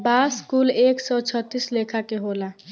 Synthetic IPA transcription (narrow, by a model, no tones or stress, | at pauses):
baskuleksɔt͡ʃʰət̪ːislekʰakeɦola